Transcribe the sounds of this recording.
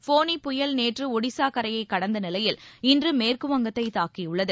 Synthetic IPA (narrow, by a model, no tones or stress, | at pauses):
foːnipʊjɐlneːʈrɯʊɽɪsaːkɐɾɐjɐɪkːɐɽɐnd̪ɐnɪlɐjɪlɪndrɯmeːrkɯʋɐŋɡɐt̪ːɐɪt̪aːkiʊɭːɐðɯ